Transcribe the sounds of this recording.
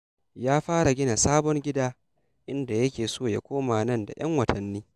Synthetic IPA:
jaː˦ɸaː˦ɾa˨ɡʲɪ˦na˨saː˦bɔ˦ŋɡʲɪ˦daː˦ | ʔɪ˦nda˨jɐ˦kʲeː˨soː˦ja˦kʷoː˦maː˨nɐ˦˨nda̰˨j̰ɐ˦ŋwɐ˨tʰɐ˨nːiː˦

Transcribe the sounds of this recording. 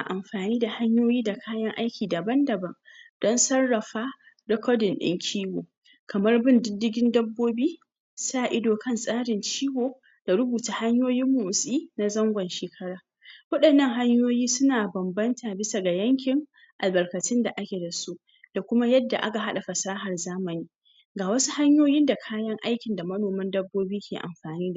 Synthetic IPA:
a̰˨ʔa˨mɸaː˨niː˦da˨ha˦ɲjoː˦jiː˦da˨kʰaː˦jɐ˦ŋʔa˦jkʲiː˨da˨bɐ˦ndɐ˨bɐ˦ŋd̥ɔ˦nsɐ˦rːɐ˨ɸaː˦ | dɔ˦kɔː˦dɪ˨nɗɪ̰˦ŋkʲʰiː˦woː˨ | kɐ˨mɐ˦rbɪ˦˨ndɪ˦dːɪ˦ɡʲɪ˦ndɐ˦bːoː˦biː˦ | saː˦˨ʔɪ˦doː˨kɐ˦nsʼaː˦ɽɪ˨nt͡ʃiː˦woː˨ | d̥a˨ɽʊ˦buː˨taː˨ha˦ɲjoː˦jɪ˦mːoː˨sʼiː˦na˦zɐ˦ŋɡʷɐ˨nʃeː˨kʰɐ˦ɽaː˨ | wɐ˦ɗɐ˨nːɐ˦ŋɦa˦ɲjoː˦jiː˦sʊ˦naː˨bɐ˨mbɐ˦ntʰaː˨bɪ˦sa˨ɡa˨jɐ˦ŋkʲɪ˨ŋ | ʔa˨lbɐ˨rkɐ˨tɪ˦nda˨ʔa˦kʲe˨da˨su˦ʔ | d̥a˨kʷʊ˦ma˦jɐ˦dːa˨ʔa˦ka˨ɦa˦ɗa˨ɸɐ˨saː˦ɦɐ˨rzaː˦mɐ˨niː˦ | ɡaː˨wɐ˦su˦ha˦ɲjoː˦jɪ˦nda˨kʰaː˦jɐ˦ŋʔa˦jkʲɪ˨nda˨mɐ˦noː˨mɐ˦ndɐ˦bːoː˦biː˦kʲʰḛː˨ʔa̰˨mɸaː˨niː˦da˨

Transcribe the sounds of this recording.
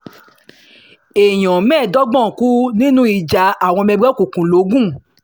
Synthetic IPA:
e˨j̃ɔ̃˨mɛ̃ː˦˨dɔ˦ɡ͡bɔ̃˦˨ku˦nĩ˦nũ˦i˨d͡ʒa˨a˦˨w̃ɔ̃˧mɛ̃˧ɡ͡bɛ˦kũ˨kũ˨lo˨˦ɡũ˦˨

